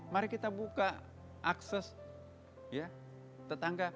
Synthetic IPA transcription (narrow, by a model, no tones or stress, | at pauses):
maɾɛkit̪abuka | ʔaksɛs | ja | t̪ət̪aŋɡa